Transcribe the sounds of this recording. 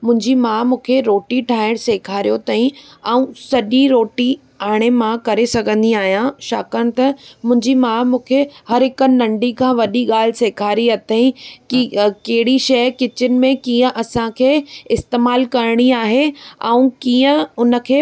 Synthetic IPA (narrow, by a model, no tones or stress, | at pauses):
mʊ̃ɦɪ̃ɲd͡ʑimaːmũːkʰeɾoːʈiʈʰaːɪɽ̃seːkʰaːɾijot̪aːĩ | ɛːũsɐʄiɾoːʈi | aːɽ̃emãkɐɾesɐɡʱə̃nd̪iaːɦijãʃa̰ːkənɪ̆t̪ɐmʊ̃ɦɪ̃ɲd͡ʑimaːmũːkʰehɐɾɦɪkənɐ̃ɳɖikʰãːʋɐɗiɠaːl̤ɪseːkʰaːɾiɐt̪ʰaĩkikɐɦɪɽiʃɐjkɪt͡ɕɪnɪ̆mẽkiːə̃ʔɐsãkʰeːɪst̪eːmaːlkɐɾɽ̃iaːɦeɛũkijə̃ʊnə̆kʰeː